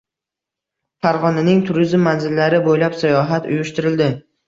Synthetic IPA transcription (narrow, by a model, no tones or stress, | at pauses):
faɾʁɒnanɪŋt̪ʰʊɾɪzmːanzɪlːaɾɪbojlapsajɒɦat̪ʊjʊʃt̪ɪɾɪld̪ɪ